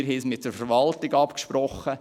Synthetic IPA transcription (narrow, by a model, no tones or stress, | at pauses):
ɾɦismɪt̚d̥əɾfəɾʋɑltiɡɑpkʃpɾɔχːə